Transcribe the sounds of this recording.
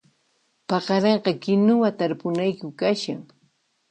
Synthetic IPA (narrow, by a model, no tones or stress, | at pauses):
pɑqɑɾɑɴɢɑkɪnʊwat̪aɾpʊnajkʊkaʃaŋ